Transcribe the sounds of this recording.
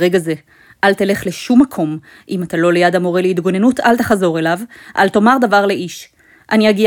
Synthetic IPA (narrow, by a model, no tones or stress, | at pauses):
ʁeɡaze̞ | ʔalt̪ele̞χleʃumːakʰo̞m | ʔimat̪alo̞lejad̪amoʁeleit̪ɡo̞nenut̪alt̪aχazo̞ʁe̞lavʔa̰lto̞maʁd̪avaʁle̞ʔiʃ | ʔaniaɡi